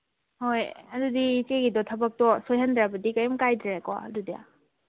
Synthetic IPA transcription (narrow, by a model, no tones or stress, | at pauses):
hojɐdudit͡ʃeɡidɔtʰɐbɐk̚tɔsojɦɐndɾabɐdikɐjɐmkajdɾaekɔ̰ɐ̰dudija̰